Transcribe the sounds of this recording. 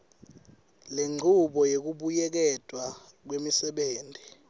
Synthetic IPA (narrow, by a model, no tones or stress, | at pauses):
leŋ͡ǀʱuɓɔjek̬uɓujɛk̬ɛd̥ʼwa | k̬wemisɛɓeːntʼi